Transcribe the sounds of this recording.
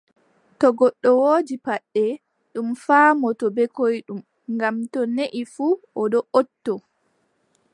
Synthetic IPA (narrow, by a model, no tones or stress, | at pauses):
tɔɡɔɗːɔwoːd͡ʒipaɗːɛ | ɗumfaːmɔtɔbɛkojɗum | ŋɡamtɔneʔifuːɔɗɔʔotːɔ